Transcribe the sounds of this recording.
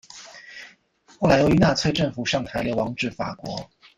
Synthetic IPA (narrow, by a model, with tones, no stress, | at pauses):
xo˥˩ʊla˧˥ɪjy˧˥na˥˧t͡sʰwe˥˧ɪʈ͡ʂə˥˩ŋfu˨˩ʂɑ˥˩ŋt̪ʰa˧˥ɪljo˧˥ʊwɑ˧˥ŋʈ͡ʂɻ̩˥˩fa̰˨˩kwɔ̰˧˥